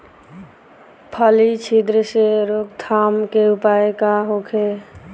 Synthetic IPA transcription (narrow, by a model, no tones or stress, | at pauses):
pʰəlit͡ʃʰid̪ɾəseɾok̚t̪ʰamkeupaekaɦokʰe